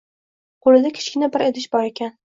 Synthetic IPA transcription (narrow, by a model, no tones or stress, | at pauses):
qʰolˠɪd̪akʲʰɪ̥ʃkʲɪnabɪɾed̪ɪʃbɒɾekʲʰan